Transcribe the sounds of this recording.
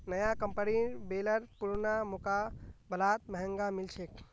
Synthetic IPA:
nəjakəmpənibeləɾpuɾnamukabəlat̪̚məɦəŋɡamilt͡ʃʰek

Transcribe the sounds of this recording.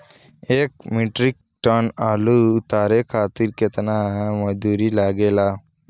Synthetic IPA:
ek̚miʈɾik̚ʈənalut̪aɾekʰat̪iɾket̪naməd̪uɾilaɡela

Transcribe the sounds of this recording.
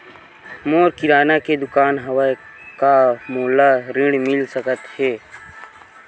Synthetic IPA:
moːɾkɪɾaːnaked̪ʊkaːnɦɐwa | kamoːlaɾɪ̃ɽmɪlsəkət̪heː

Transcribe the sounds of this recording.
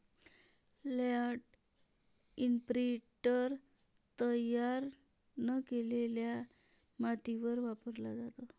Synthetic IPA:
laʈ | impɾiʈəɾ | t̪əjaɾ | nəkelelja | mat̪iʋəɾʋapəɾlad͡zat̪o

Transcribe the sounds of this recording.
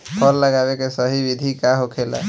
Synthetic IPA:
pʰɔlːəɡabekesəɦibid̪ʱikaɦokʰela̰

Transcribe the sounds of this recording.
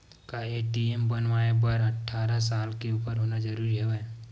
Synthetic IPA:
kaeːʈiembɐnʋaːebɐɾɐʈʰːaːɾasaːlkeuːpəɾɦoːnad͡ʒɐɾuːɾiɦoɛ

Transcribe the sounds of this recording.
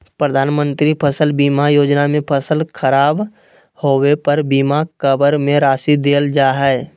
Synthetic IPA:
pɾəd̪ʱaːnmə̃nt̪ɾipʰəsəlbimajoːd͡ʒnamẽpʰəsəlkʰəɾaːb | howepəɾbimakəbəɾmẽɾaːsid̪eːld͡ʒaːɦɛː

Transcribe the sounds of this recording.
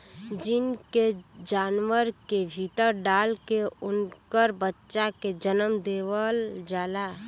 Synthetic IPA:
d͡ʒɪnked͡ʒaːnwəɾkebʱit̪əɾɖaːlkeʊnkəɾbətːʃaked͡ʒənəmd̪eːʋəld͡ʒaːla

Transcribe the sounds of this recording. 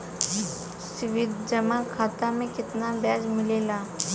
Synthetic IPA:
sɪʋɪd̪d͡ʒɐmakʰaːt̪amẽkɪt̪nabjaːd͡ʒmɪleːlaː

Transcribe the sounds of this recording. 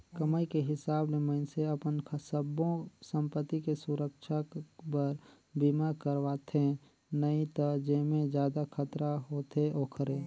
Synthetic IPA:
kəməjkeɦɪsaːblemənseɐpənʰsəbõsə̃mpət̪ːikesʊɾəkʃapəɾ | bimakəɾʋaːt̪ʰẽ | nəĩt̪ɐd͡ʒeːmẽd͡ʒjaːd̪akʰət̪ɾaɦoːt̪ʰeʔoːkʰəɾẽː

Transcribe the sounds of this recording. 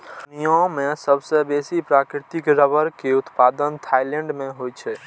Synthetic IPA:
nijõmẽsəbsebesipɾakɾɪt̪ikɾəbəɾkeʊt̪paːd̪ənt̪ʰaileɳɖmẽɦojt͡ʃʰɛ

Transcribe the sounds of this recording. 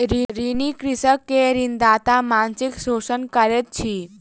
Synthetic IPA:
ɾiɾinikɾisəkːeɾind̪aːt̪amansiksoːsənkəɾet̪̚t͡ɕʰi

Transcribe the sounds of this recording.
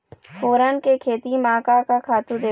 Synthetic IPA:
foːɾənkekʰeːt̪imãːkakakʰaːt̪ũd̪eː

